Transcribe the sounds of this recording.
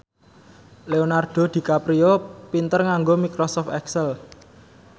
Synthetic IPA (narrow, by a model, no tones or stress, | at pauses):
leonarɖ̥o̤d̪̥i̤kapɾiopint̪ərŋaŋɡomikɾɔsɔft̪ɛksɛl